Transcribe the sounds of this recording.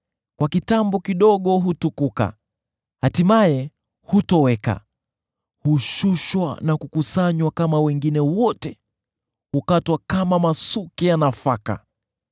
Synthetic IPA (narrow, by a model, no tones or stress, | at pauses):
kwakitambɔkiɗɔɠɔɦutukuka̰ | hatimajɛ | hutɔwɛka̰ | huʃuʃwa̰nakukusaɲwakamawɛŋɡinɛwɔtɛ | hukatwakamamasukɛjanafaka̰